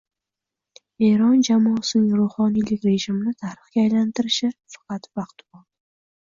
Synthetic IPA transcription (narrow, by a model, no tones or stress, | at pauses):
e̞ɾɒnd͡ʒamɒːsɪnɪŋɾoχɒnijlɪkʲɾe̞ʒɪmɪnɪt̪ʰaɾɨχkʲaːjlant̪ʰɪɾɪʃɪfɑ̥qʰɑt̪vɑqt̪bɒl